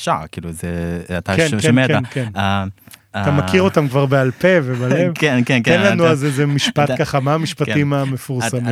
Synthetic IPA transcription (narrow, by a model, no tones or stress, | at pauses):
ʃakiːluzeat̪akenmeteankenaatamakiʁo̞tamkvaʁbealpe̞vebalevenkenkenlanuazezemiʃpat̪kaχamaamiʃpatimame̞fuʁsami